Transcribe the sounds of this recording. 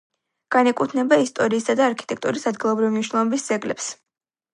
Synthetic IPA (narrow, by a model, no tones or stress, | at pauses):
ɡ̥anɛkʼut̪ʰnɛbaist̪ʼɔɾiːsad̪aːɾkʰi̥t̪ʼɛk̚t̪ʼuɾisad̪ɡilˠɔbɾivimniʃwnɛɔvɛbisd̪z̥ɛɡlɛ̰ps